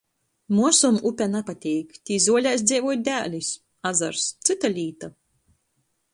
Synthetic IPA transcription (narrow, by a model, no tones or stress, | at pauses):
muɔsumupʲɛnapat̪ʲɛːkt̪ʲiːzuɔlʲajs̬d̪zʲiːvuɔjd̪ʲæːlʲis | azaɾst̪sɨt̪alʲiːt̪a